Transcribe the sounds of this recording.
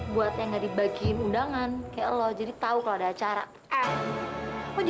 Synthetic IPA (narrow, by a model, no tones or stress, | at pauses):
buat̪̚jaŋɡadibaɡinundaŋankajaʔlɔd͡ʒadit̪aukaloadaːt͡ʃaɾa̰ | mɔd͡ʒ